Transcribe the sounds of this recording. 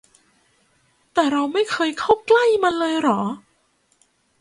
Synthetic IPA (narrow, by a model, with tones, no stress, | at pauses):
t̪ɛː˨˩ɾa˧wma˥˩jkʰɤː˧jkʰa˥˩wkla˥˩jma˧nlɤː˧jɾɔː˩˦